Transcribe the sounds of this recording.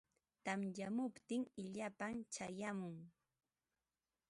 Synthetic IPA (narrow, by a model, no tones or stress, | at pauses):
t̪amjamʊpt̪ɪŋɪʎapamt͡ʃajamʊŋ